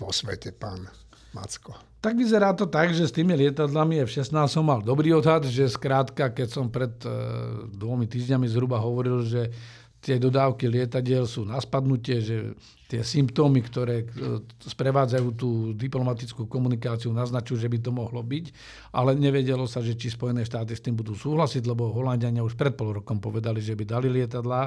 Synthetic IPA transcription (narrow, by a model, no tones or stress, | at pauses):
pɔsʋɛ̰cɛpa̰ːn | ma̰t͡skɔ | t̪aɡʋizɛɾaːt̪ɔt̪aɡʒɛst̪iːmilɪɛt̪ad̪lamiɛfʃɛsnaːst̪ɔmːald̪ɔbɾiːɔd̪ɦad̪ʒɛskɾaːt̪kakɛcsɔmpɾɛd̪ | d̪ʋɔmit̪iːʒɲamizɦɾubaɦɔʋɔɾilʒɛ | t̪ɪɛd̪ɔd̪aːʊkilɪɛt̪aɟɪɛlsuːnaspad̪nucɪɛʒɛ | t̪ɪɛsimpt̪ɔːmikt̪ɔɾɛːspɾɛʋaːd͡zajuːt̪̬uːd̪iplɔmat̪it͡skuːkɔmunikaːt͡siunaznat͡ʃujuʒɛbit̪̬ɔmɔɦlɔbic | ʔalɛɲɛʋɛɟɛlɔsaʒɛt͡ʃispɔjɛnɛːʃt̪aːt̪ist̪iːmbud̪uːsuːɦlasiɟlɛbɔɦɔlanɟɪaɲɪauʃpɾɛt̪̚pɔlɾɔkɔmpɔʋɛd̪aliʒɛbid̪alilɪɛt̪ad̪la